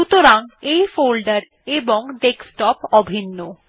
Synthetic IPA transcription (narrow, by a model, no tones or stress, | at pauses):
ut̪oɾaŋejfolɖaɾ | eboŋɖeksʈɔpɔbʱinːo